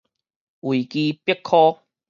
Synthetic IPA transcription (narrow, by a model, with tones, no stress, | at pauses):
ʔwi˨ki˧pjɛ˥kʰːɔ˦˥